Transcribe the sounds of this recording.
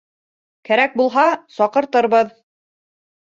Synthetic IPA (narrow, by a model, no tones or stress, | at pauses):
kæɾæk̚bulˠɦɑsɒqɤ̆ɾt̪ɤ̆ɾβɤð